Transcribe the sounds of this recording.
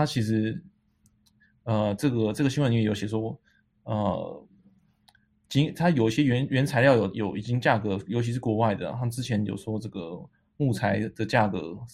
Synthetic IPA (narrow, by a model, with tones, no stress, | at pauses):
a˥t͡ɕʰi˧˥ʂɻ̩˧˥ | ə˧ʈ͡ʂɤ˥˩ɡə˩ʈ͡ʂɤ˥˩ɡə˩ɕi˥ŋwə˧˦n˥˧˥jo˧ʊɕjɛ˨˩ʂ̬wɔ˥ | ə̰˧ | t͡ɕi˥ŋt̪ʰa˥jo˨˩ʊi˥˩ɕjɛ˥ɥɛ˧˥nɥɛ˧˦˥nt͡sʰa˧ɪljɑ˥˩ʊjo˨˩ʊjo˨˩ʊʔi˨˩t͡ɕi˦˥ŋt͡ɕja˥˩kɤ˧˥jo˧ʊt͡ɕʰi˧ʂ̬ɻ̩˥˩kwɔ˧˥wa˥˩ɪd̪ə̰˩a˥˩ʈ͡ʂɻ̩˥t͡ɕʰjɛ˧˥˦njo̰˨˩ʊʂwɔ˥ʈ͡ʂɤ˥˩ɡə̰˩ | mu˥˩t͡sʰa˧˥ɪd̪̥ə˨t͡ɕja˥˩kɤ̰˧˦